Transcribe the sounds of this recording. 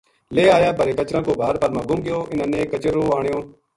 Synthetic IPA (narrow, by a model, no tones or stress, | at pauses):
leːaːjaːbəɾeːkət͡ʃɾãːkoːbʱaːɾpəɾmãːɡʊmɡɪjoːʔɪnãːnẽːkət͡ʃəɾoːaːɳ̃ɪjõː